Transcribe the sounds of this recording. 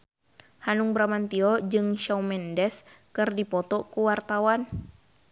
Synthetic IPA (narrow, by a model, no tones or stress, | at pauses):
hanuŋbɾamant̪iɔd͡ʒɨŋʃawmɛndɛskɨrdipɔt̪ɔkuwart̪awan